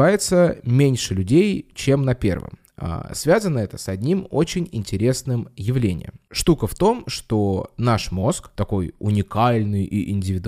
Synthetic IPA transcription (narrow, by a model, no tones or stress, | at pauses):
ajɪt̪səmʲenʲʂɨlʲʉdʲejt͡ɕemnɐpʲe̞̰rvɨ̰m | a̰svʲazənːəɛt̪ə̥sɐdʲnʲimot͡ɕɪnʲɪnʲtʲɪɾʲe̞snɨmjɪvlʲenʲɪ̰jə̰mʂt̪ukəft̪o̞mʂt̪onaʂmo̞skt̪ɐko̞jʊnʲɪkalʲnɨjiʔɪnʲdʲɪvʲɪd̪